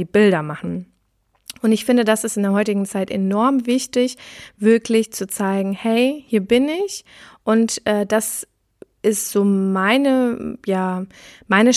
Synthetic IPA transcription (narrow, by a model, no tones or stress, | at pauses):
iːbɪldɐmaχn̩ | ʔʊntɪçfɪndədasɪstɪndeːɐɦɔʏtɪɡŋ̩t͡saɪtʔenɔɐmvɪçtɪçv̥ɪɐklɪçt͡sut͡saɪɡŋ̩hɛɪhiːɐbɪnɪç | ʔʊntʔɛːdas | ʔɪstz̥oːmaɪnəjaːmaɪnə